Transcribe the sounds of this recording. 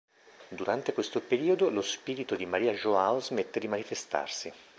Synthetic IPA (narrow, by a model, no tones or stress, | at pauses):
d̪uɾant̪ekwest̪opeɾiːod̪olospiːɾit̪od̪imaɾiːaʒoaozmet̪ːed̪imanifest̪a̰rsi